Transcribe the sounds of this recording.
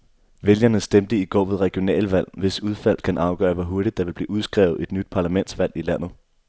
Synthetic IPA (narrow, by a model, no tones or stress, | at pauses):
ʋeljɐnəsd̥emd̥əiɡ̥ɒ̰ːʋe̝ðˠʁɛɡ̥io̝nɛ̰ːlʋæl̰ʋe̝suð̞ˠfæl̰̥kʰænʔɑ̈ʊɡ̥ɶ̰ːɐʋɒɦuɐɾid̥̚d̥ɑ̈ʋe̝b̥lḭːuðˠsɡ̥ʁɛ̰ːʊð̩ˠe̝d̥nyd̥̚pʰɑ̈læmen̰d̥sʋæl̰ilæn̰ð̞̩ˠ